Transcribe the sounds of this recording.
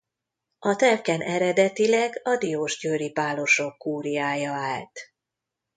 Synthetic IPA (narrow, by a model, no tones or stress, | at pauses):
ɒt̪ɛlkɛnʔɛɾɛd̪ɛt̪ilɛɡɒd̪ioːʒɟøːɾipaːlo̞ʃo̞kːuːɾijaːjɒaːlt̪